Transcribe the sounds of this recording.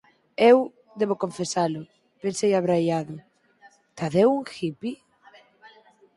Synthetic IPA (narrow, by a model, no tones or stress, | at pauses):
ew | d̪eβokoɱfesalʊ | pensejaβɾajaðʊ | t̪aðewuŋxipi